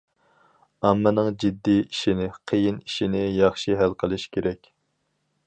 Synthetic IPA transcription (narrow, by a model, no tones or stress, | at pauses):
ɑmːɨnɨŋd͡ʒid̪ːiiʃinɪqʰəjiniʃinɪjɑχʃiɦælqʰəlˠɨʃkʲʰeɾɛkʲ